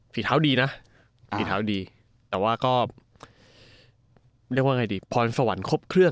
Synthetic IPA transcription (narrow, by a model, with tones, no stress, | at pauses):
pʰi˨˩t̪ʰaː˦˥wdiː˧na˦˥ʔ | pʰi˨˩tt̪ʰaː˩˦˥wdiː˧ | t̪ɛː˨˩waː˥˩kɔː˥˩ | ɾi˥˩k̚waː˥˩ŋa˧jdiː˧pʰɔː˧nsa˧wa˩˦nkʰo˦˥p̚kʰɾɯ˥˩ə